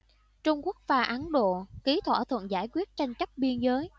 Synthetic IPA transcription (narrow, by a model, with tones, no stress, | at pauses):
t͡ɕʊ˧ŋ͡mku˦˥ək̚vaː˨˩ʔa˨˦nɗo̰˧˨ki˨˦t̪ʰwa̰ː˧˩t̪ʰwə̰˧˨nzaː˧˩jkwi˦˥ət̚t͡ɕa˧jŋ̟t͡ɕə˦˥t̚ɓi˧ənzəː˨˦j